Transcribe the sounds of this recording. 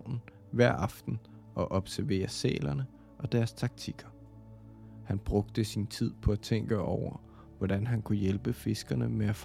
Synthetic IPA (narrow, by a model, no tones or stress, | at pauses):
nn̩ | ʋæɐ̰ɑ̈fd̥n̩ | ɒ̽ʔɒ̽b̥sæɐʋe̝̰ːɐsɛ̰ːlɐnə | ʔɒ̽d̥æɐst͡sʰɑ̈ɡ̥̚t͡sʰiɡ̥ɐ | hænb̥ʁɔ̽ɡ̥d̥əsint͡sʰið̞̰ˠpʰɒ̽æt͡sʰeŋɡ̥əɒʊɐ | ʋɒd̥ænɦænkʰujelb̥əfe̝sɡ̥ɐnəmeæf